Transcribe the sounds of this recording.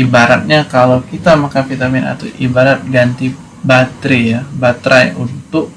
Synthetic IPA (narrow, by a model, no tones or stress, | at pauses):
ibaɾat̪̚ɲakalawkit̪amakanfit̪amɪna̰t̪aʔibaɾat̪̚ɡant̪i | bat̪ɾijabat̪ɾajunt̪ʊk̚